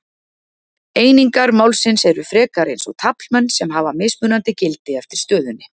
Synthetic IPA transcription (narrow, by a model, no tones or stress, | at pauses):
eːjniŋkaɾmaːwlsɪnsɛɾʏfɾɛːkaɾejnsɔ̰t̪ʰapl̥mɛnːsɛmɦavameːsmʏːnant̪ɪcɪlt̪ɪɛft̪ɪɾ̥st̪œːðʏnːɪ